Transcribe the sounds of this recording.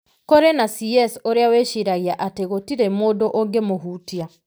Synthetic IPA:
koɾenasiɛsoɾeaweʃiɾaɣiaʔateɣotiɾemoːdoʔoŋɡemoɦuːtia

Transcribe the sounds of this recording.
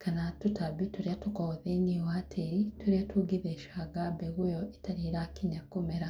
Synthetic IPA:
kanatutaβituɾjatukoðeniwatʰeɾituɾjatuɡiðeʃaɡabeɣujoetaɾiɾakiɲakumeɾa

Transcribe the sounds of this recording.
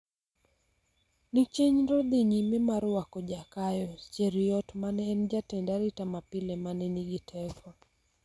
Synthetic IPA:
nit͡ʃeɲɾɔd̪iɲimɛmaɾwakɔd͡ʒakajɔt͡ʃɛɾijɔtmanɛːnd͡ʒatɛndaɾitamapilɛmanɛniɡitʰɛkɔ

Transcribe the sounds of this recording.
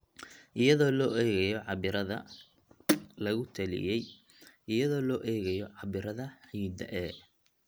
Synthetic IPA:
ʔɪjɐðɔːlɔːʔɛːɣɛjɔʕɑβɪɾɐðɐ̰ | lɐɣʊt̪ʰɐlɪ̰jɛj | ɪjɐðɔːlɔːʔɛːɣɛjɔʕɑβɪɾɐðɐħiːd̪ɐ̰ʔɛː

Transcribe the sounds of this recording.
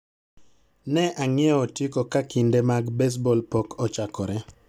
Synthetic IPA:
nɛʔaŋɪɛɔtjikokakindemaɡbes̬bɔlpokʰɔt͡ʃakɔ̰ɾɛ

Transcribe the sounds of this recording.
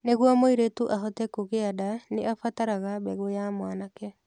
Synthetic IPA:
neɣwɔmoiɾetuʔaɦɔtɛkoɣeadaneʔafataɾaɣabɛɣojamwanakɛ

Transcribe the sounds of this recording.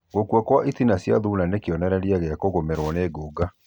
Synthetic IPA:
ɣokwɔkwaʔitinasja̰ðunanekiɔnɛɾɛɾiaɣeakoɣomɛɾwɔneːɡoɡa

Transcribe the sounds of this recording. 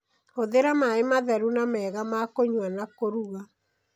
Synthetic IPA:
oðeɾamaemaðɛɾunamɛːɣamakoɲwanakoɾuɣa

